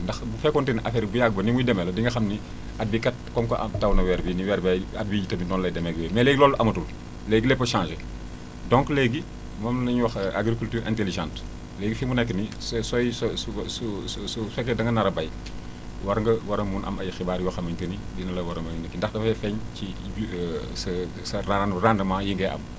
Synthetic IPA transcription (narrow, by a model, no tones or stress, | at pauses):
ndɐxbufɛkɔntinʔɐfeɾibujaɡ̚bɐnimujdɛmɛlɐdiŋɡɐxɐmni | ɐt̚bikɐt̚kɔmkoʔɐ̰tɐwnɐwɛːɾbiniwɛːɾbaat̚biɟitɐbindɔnlɐjdɛmɛɡwɛmɛleːɡilɔːlːʔɐmɐtul | leːɡilɛpːɐʃãːnʒe | dɔŋkleɡi | mɐmnɐɲwɐxaɡɾikultyːɾʔɛ̰̃nteliʒãːnt | leːɡifimunɛkːənissɔjssssusɛkːɛdɐŋɡɐnɐɾɐbɐj | wɐɾŋɡɐwɐɾɐmːuːnʔɐ̰mɐjxibaːɾjwɐxɐmɐɲtɐnidinɐlɐwɐɾɐmɐnɐkːindɐxdɐfɐjfɛɲci | sɐ | sɐrarandɐmaːjiŋɡɛʔɐ̰m